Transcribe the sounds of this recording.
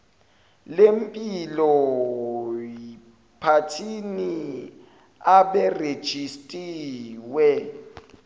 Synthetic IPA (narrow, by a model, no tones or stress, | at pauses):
lempʼilɔ | pʰatʰini | aɓɛred̥ʒ̥ʱistʼiːwɛ